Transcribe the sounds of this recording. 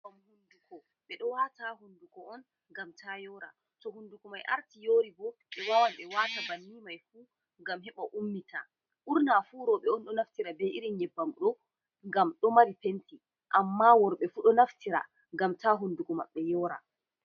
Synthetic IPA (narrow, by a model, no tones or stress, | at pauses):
amhundukɔ | ɓɛɗɔwataɦundukɔɔn | ŋɡamtʰajɔɾa̰ | tɔɦundukumajʔa̰ɾtijoːɾibɔɓɛwawamɓɛwatabanːimajfuː | ŋɡamɦɛɓaʔumːita | ʔuɾnafuːɾɔɓɛɔnɗɔnaftiɾabɛʔiɾiɲɛbːamɗɔ | ŋɡamɗɔmaɾipenti | ʔamːawɔɾɓɛfuɗɔnaftiɾa̰ | ŋɡamtaɦundukɔma̰ɓːɛjɔːɾa̰